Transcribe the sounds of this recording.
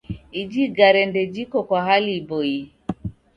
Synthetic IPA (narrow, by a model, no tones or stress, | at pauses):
id͡ʒiɡaɾɛndɛd͡ʒikɔkwaɦalibɔi